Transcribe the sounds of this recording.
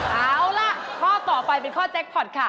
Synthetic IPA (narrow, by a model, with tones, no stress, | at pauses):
ʔaː˨˦wʔaː˧˩wla˧˩ʔkʰɔː˥˩t̪ɔː˨˩pa˧jp̬e˧nkʰɔː˥˩t͡ɕe˦˥k̚pʰɔ˨˩t̪̚kʰa˦˥˩